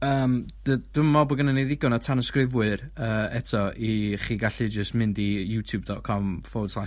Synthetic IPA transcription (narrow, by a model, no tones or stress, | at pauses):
əːmd̥əd̥ʊmɔbɔɡənənejðɪɡɔnɔtʰanəskrɪvwɨɾəːɛtʰɔiχiːɡaɬɨd͡ʒəstmɪndijutʰjub̚dɔt̚kʰɔmfoːd̥slˠaʃ